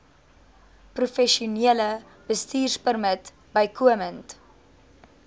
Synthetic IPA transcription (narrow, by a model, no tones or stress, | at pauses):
prufɛʃiuniələ | bəstiːrspərmət | bəjkʰuəmənt